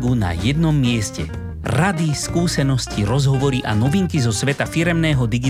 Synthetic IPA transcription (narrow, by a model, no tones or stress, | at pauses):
ɡuna̰jɛd̪nɔmːɪɛscɛ̰ | ɾad̪iskuːsɛnɔsciɾɔzɦɔʋɔɾiʔanɔʋiŋkizɔsʋɛt̪afiɾɛmnɛːɦɔd̪iɡi